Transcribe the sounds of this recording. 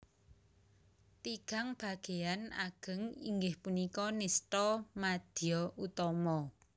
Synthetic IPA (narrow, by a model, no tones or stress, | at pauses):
t̪iɡ̥a̤ŋb̥a̤ɡ̥e̤ana̰ɡ̥ə̤ŋḭŋɡɪhpunikɔnesʈɔmad̪̥iɔut̪ɔmɔ